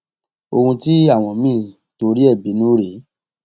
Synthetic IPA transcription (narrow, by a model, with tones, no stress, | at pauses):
o˧hũ˧ti˦a˦˨w̃ɔ̃˨mĩː˦˨ | to˧ɾi˦ɛ˦˨bi˨˦nũː˦ɾe˨˦